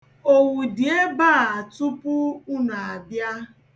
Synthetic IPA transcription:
o˨wu˨di˨e˦ba˦˨a˨tʊ˦pʊ˦u˦na˨a˨bja˦

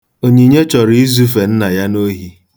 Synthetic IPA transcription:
o˨ɲi˨ɲe˦t͡ʃɔ˨ɾi˦i˦zu˦fe˨n̩˦na˨ja˦no˦ɦi˦

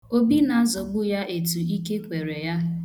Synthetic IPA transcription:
o˦bi˦na˨a˦zɔ˨ɡ͡bʊ˦ja˦ʔe˨tu˨i˦ke˦kʷe˨ɾe˨ja˦

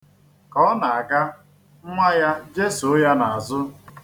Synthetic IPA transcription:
kɔ˦na˨a˨ka˦ | m̩˦ŋʷa˦ja˦d͡ʒe˦su˨˦ja˦na˨a˨zʊ˦

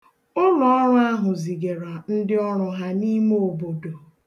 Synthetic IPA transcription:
ʊ˦lɔ˨ɔ˦ɾʊ˦a˦ɦʊ˨zi˨ɡe˨ɾa˨n̩˦dɪ˦ɔ˦ɾʊ˨ɦa˦ni˦m˦o˨bo˨do˨

